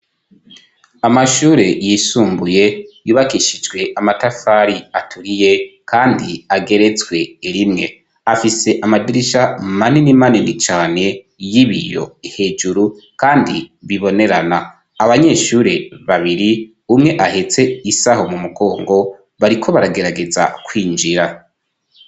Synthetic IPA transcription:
amaʃuːɾe̞jisuːmbuje̞juːβakiʃid͡ʒɡwe̞ʔamatafaɾiatʰuɾije̞kʰaːndiaɡe̞ɾe̞t͡swe̞iɾimŋe | afise̞ʔamadiɾiʃamaninimaninit͡ʃaːne̞ | jiβḭjo̞̰ihe̞d͡ʒuɾu | kaːndiβiβo̞ne̞ɾanaː | βaɲe̞ʃuɾe̞βaβiɾi | umŋe̞ʔahet͡se̞isaho̞mumuɡo̞ːŋɡo̞ | βaɾikʰo̞βaɾaɡe̞ɾaɡe̞za̰kwiːnd͡ʒiɾa

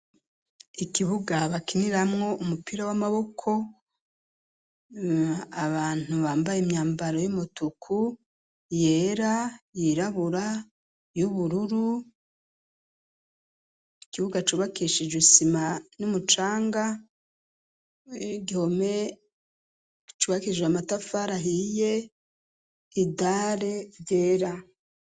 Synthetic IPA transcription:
ikiβuɡaβakiniɾamŋo̞ʔumupiɾawamaβo̞kʰo̞ | aβaːn̥uβaːmbajemɲaːmbaɾo̞jumotukʰu | jeːɾajiɾaβuɾa | juβuɾuɾu | ikiβuɡat͡ʃuːβakiʃid͡ʒusimanumut͡ʃaːŋɡa | ɡihome̞ | t͡ʃuːβakid͡ʒeamatafaɾaɦije̞ | idaɾe̞vjeːɾa

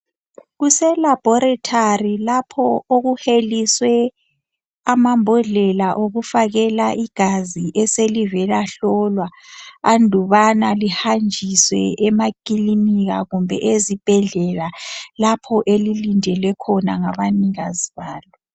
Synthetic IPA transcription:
ɣusɛlab̥ʱɔɾatʰarilapʰɔoɣuheliswɛ | amambʱɔɮɛlaʔoɣufaɣɛlaʔiɡ̥ʱaziʔɛselivɛlaɬɔlwaːndʱuβanalihand͡ʒʱiswɛ̰ʔɛmakiliniɣa̰ɣumbʱɛ̰ʔezib̥ʱɛɮɛlalapʰɔʔelilindʱɛlwɛkʰɔnaŋaβaniɣaziβaːlɔ

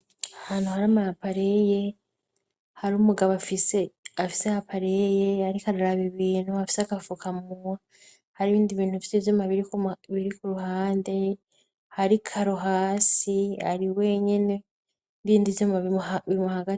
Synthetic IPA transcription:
ahaːn̥huhaɾamaapaɾe̞je̞ | haɾuːmuɡaβafise̞afi̥sehapaɾe̞jehaɾikaɾaɾaβiβiːn̥huafi̥seakafukamua | haɾiβiːndiβiːn̥hufisevjomaβiɾikβiɾikuɾuɦaːnde̞ | haɾikʰaɾoɦaːsia̰ɾiwe̞ɲene̞ | ndiːndijomaβimuhaɡate

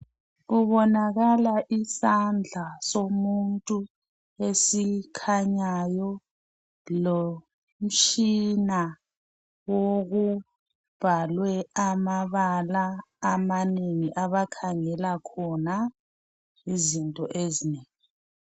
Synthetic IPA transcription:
ɣuβɔnaɣalaʔisand͡ɮʱasomuntʼu | esikʰaɲajɔ | lo | m̩t͡ʃʰʼina | woɣu | b̥ʱalwɛamaβalaː | maneŋiʔaβakʰaŋɛlakʰɔna | izintʼɔʔezineːŋi

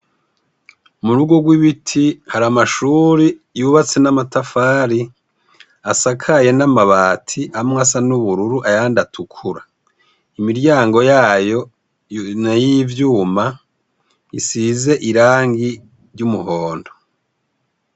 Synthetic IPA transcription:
muɾuɡoɡwiβitʰihaɾamaʃuːɾi | juːβat͡se̞namatafaːɾi | asakʰaje̞namaβaːtʰiamŋasanuβuɾuɾuʔajaandatʰukʰuɾa | imiɾɟaːŋɡo̞jaːjo̞ | najivjuːma | isize̞ʔiɾaːŋɡi | ɾɟumuhoːndo̥

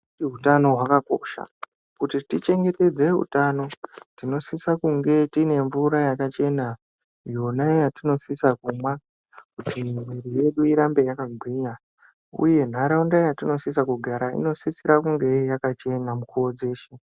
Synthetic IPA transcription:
iɦutano̞ɦwakako̰ʃa̰ | kutitit͡ʃe̞ŋɡe̞te̞d͡ze̞ɦṵtano̞tino̞sisakuŋɡe̞tine̞ɱvuɾajakat͡ʃe̞na | jo̞najatino̞sisakumwa | kutʰimwirije̞ɗuiɾambe̞jakaɡʱwiɲa | ṵje̞n̤aɾaundajatino̞sisakuɡʱaɾaḭno̞sisiɾakuŋɡe̞jakat͡ʃe̞namukuwod͡ze̞ːʃe

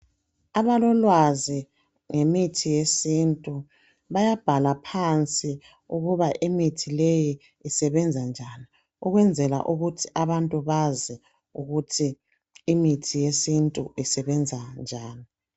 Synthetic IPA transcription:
aβalɔlwazi | ŋemitʰijesintʼu | βajab̥ʱalapʰant͡sʼi | uɣuβaʔimitʰilejiː | sɛβɛnd͡zʱand͡ʒʱani | uɣwɛnd͡zʱɛla̰ʔuɣutʰiʔaβantʼuβazɛ | uɣutʰiː | mitʰijesintʼṵisɛβɛnd͡zʱand͡ʒʱaːni

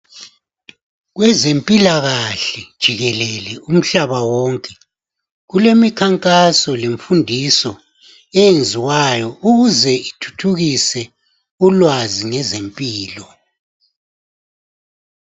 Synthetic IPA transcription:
ɣwɛzempʼilaɣaɬɛd̥ʒ̥ʱiɣɛlɛlɛum̩ɬaβawɔŋkʼɛ | ɣulemikʰaŋkʼasɔleɱfundʱisɔ | ɛjend͡zʱiwajɔuɣuzɛitʰu̥tʰuɣisɛ | ulwaziŋɛzempʼiːlɔ

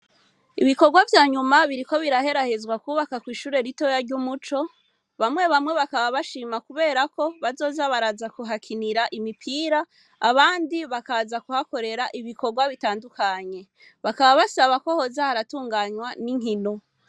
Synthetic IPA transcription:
iβiko̞ɡwavjaːɲumaβiɾiko̞βiɾahe̞ɾahe̞zɡwakuːβakakwiːʃuːɾe̞ɾito̞jaɾɟumut͡ʃo̞ | βamŋe̞βamŋe̞βakaβaβaʃiːmakuβe̞ːɾako̞βazo̞ːzaβaɾazakuɦakʰiniɾaʔimipʰiːɾaː | βaːndiβakazakuhako̞ɾe̞ɾaʔiβiko̞ɾɡwaβitaːndukaɲe̞ | βakaβaβasaβako̞ho̞zahaɾatuːŋɡaɲwaniŋɦino̞

